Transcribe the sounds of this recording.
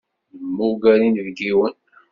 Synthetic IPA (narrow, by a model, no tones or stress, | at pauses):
mːuɡæɾinvɡiwən